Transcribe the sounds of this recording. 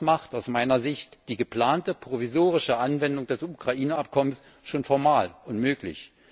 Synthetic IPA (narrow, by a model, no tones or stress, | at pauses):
maχtaʊsmaɪnɐzɪçtd̥iːɡəpl̥aːntəpʁ̥ovizoːʁ̞ɪʃəʔanvɛndʊŋd̥ɛsukʁ̥aʔiːnəap̚kʰɔməns | ʃoːnfɔɐmaːlʊntmøːklɪ̰ç